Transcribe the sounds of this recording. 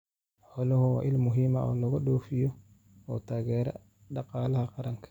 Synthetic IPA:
ħɔlɔhɔwa̰ʔɪlmʊɦimaɔ̰ːlɔɡɔɗoːfijɔ | ɔt̪aːɡɛːɾɐ̰ | ɗɑqɑːlɐhɐqɑɾɐŋkʰɐ̥

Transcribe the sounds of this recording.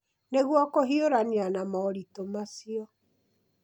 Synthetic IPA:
neɣwɔkoɦioɾanianamɔːɾitomasiɔ

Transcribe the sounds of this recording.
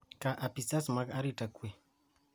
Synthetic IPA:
kaʔapisasmakaɾitakue

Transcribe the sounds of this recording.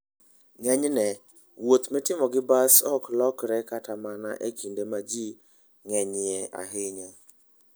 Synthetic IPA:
ŋɛɲnɛ | wot̪mɛtɪmɔɡɪbasɔklɔkɾɛkatamana̰ʔekindemad͡ʒi | ŋɛɲɪɛa̰ɦɪɲa

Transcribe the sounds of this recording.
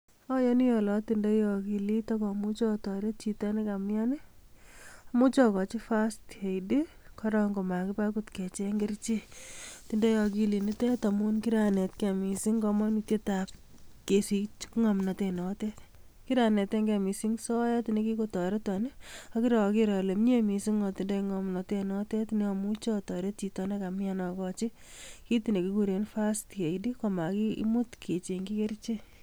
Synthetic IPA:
ɔjɔnijɔlɔtindejɔkilitɔkɔmut͡ʃɔtɔɾet̚t͡ʃitɔnikamjanɪ | amut͡ʃɔkɔt͡ʃifastejdi | kʰɔɾɔŋɡomakipakutkɛt͡ʃeŋɡert͡ʃitindejɔkilinitɛtamunkiɾanetkemisiŋɡɔmɔnitjetap̚ | kesit͡ʃkŋɔmnatenɔtet | kiɾaneteŋɡemisiŋsɔjatinekikotɔɾetɔneɔkiɾɔkiɾɔlemɲemisiŋɔtindɔiŋɔmnatenɔtetneɔmut͡ʃɔtɔɾet̚t͡ʃitɔnekamjanɔkɔt͡ʃi | kitinekikuɾenfasteidikɔmakḭmutkʰet͡ʃeŋɡikert͡ʃe

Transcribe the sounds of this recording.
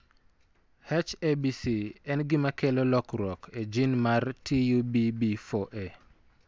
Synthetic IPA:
hɛt͡ʃebisiɛnɡɪmakɛlɔlɔkɾɔkʰed͡ʒinmartijubibifoʔe

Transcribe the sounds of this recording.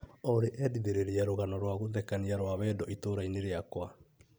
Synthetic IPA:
ɔɾeʔɛdiðeɾeɾeaɾoɣanɔɾwaɣoðɛkaniaɾwaβɛdɔitoɾaineɾeakwa

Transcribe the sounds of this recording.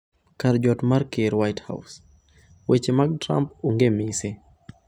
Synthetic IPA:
kaɾd͡ʒɔtmaɾkeɾwajtha̰ws | wet͡ʃemaɡ̚tɾa̰mpuŋɡemise

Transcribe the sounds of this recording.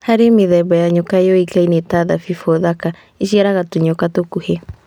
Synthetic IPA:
haɾemeðɛbajaɲokaejɔikainetaðafifɔðaka | eʃiaɾaɣatoɲokatokuhe

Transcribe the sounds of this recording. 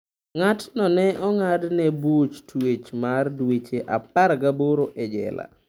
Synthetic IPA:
ŋatnɔnɛɔŋadnɛbut͡ʃtwet͡ʃmardwet͡ʃeʔap̚aɾɡaboɾoʔɛd͡ʒɛ̰la̰

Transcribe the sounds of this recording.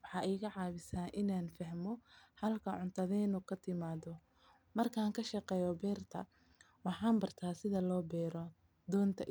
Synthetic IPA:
wɑħɑːʔɛjɣɐʕɑːβɪsaːʔɪnaːnfɐhmɔhɐlkʰɐʕʊnt̪ʰɐðɛɪnuːkʰɐt̪ʰɪmaːðɔ | mɐrkʰaːŋkʰɐʃɑqɛːjɔbɛːrt̪ʰɐ̰ | wɑħɑːmbɐrt̪ʰaːsɪðɐlɔːbɛːɾɔ | d̪ɔːnt̪ʰɐʔ

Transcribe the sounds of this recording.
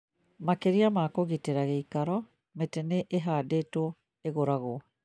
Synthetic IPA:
makeɾiamaːkoɣiteɾaɣeikaɾɔ | metɛneʔeɦaːdetoo | eɣoɾaɣoɔ

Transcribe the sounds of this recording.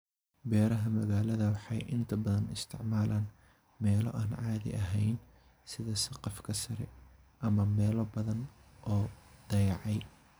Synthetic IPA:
bɛːɾɐɦɐmɐɣaːlɐðɐwɑħɑ̰jʔɪnt̪ʰɐbɐðɐnɪst̪ʰɪ̰ʕmaːlʔaːn | mɛːlɔ̰ʔaːnʕɑːðɪ̰ʔɐɦɛjn | sɪðɐsɪqɑfkʰɐsɐɾɛ | ʔɐmɐmɛːlɔbɐðɐnʔɔːd̪̥ɐjɑʕɑj

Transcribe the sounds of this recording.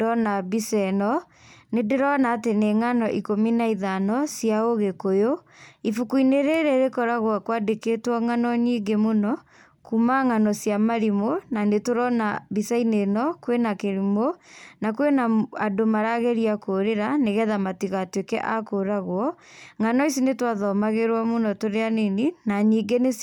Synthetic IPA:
ɔnaβisɛnɔ | nedeɾɔnaːteneŋanɔʔikominaiðanɔsjaoɣekojo | ifukuineɾeɾeɾekɔɾaɣwakwadeketwɔŋanɔɲiːɡemonɔ | kumaŋanɔsjamaɾimonanetoɾɔnaβisainenɔkwenakeɾimonakwenaadomaɾaɣɛɾiakoɾeɾaneɣɛðamatiɣatwekɛ̰ʔakoɾaɣwɔŋanɔis̬inetwaðɔmaɣeɾwamonɔtoɾeaneninaɲiɡenes

